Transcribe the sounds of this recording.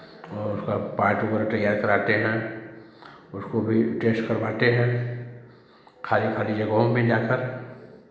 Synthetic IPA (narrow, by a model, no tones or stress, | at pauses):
ɔːɾʊskapaːɾʈʊbəɾʈ̪ɐjːaːɾkɐɾaːt̪eɦɛ̃ | ʊskobʱiʈeːsʈkɐɾbaːt̪eɦɛ̃ː | kʰaːlikʰaːlid͡ʒɐɡoõmbʱẽd͡ʒaːkəɾ